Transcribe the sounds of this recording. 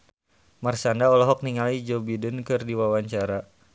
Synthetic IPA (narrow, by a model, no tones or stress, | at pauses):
marsandaɔlɔɦɔk̚niŋalid͡ʒobidʊnkɨrdiwawaɲt͡ʃaɾa